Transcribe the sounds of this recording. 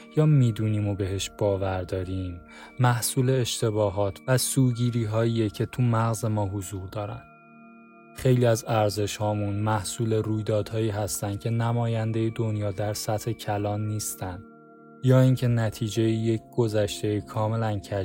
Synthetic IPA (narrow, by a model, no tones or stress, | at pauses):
jɒːmiːd̪uːniːmo̞be̞ɦe̞ʃb̥ɒːvæɾd̪ɒːɾiːmː | æhsuːle̞ːʃt̪e̞βɒːɦɒːt̪ʰvæsuːɟiːɾiːɦɒːiːjecʰe̞t̪ʰumæɣze̞mɒːɦozuːɾd̪ɒːɾæ̰nd̪̥ | χejliːæzæɾze̞ʃhɒːmunmæhsuːle̞ɾuːjd̪ɒːd̪̥hɒːiːɦæst̪ænd̪̥̚cʰe̞næmɒːjænd̪e̞jed̪o̞njɒːd̪æɾsæt̪he̞cʰælɒːnːiːst̪ænd̪̥ | jɒːiːŋcʰe̞næt̪ʰiːd͡ʒe̞jije̞c̚ʰɡ̥o̞zæʃt̪e̞ikʰɒːme̞læncʰæ